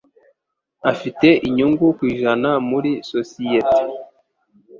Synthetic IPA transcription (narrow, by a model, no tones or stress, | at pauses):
afite̞ʔiɲuŋɡukwiːʒanamuɾisosijete̥